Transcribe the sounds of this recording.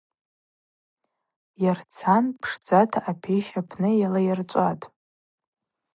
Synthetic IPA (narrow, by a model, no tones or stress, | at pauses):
jart͡sʰanpʰʂd͡zatʰaʔapʰeʃapʰnɨjalajart͡ʃʷʼatʼ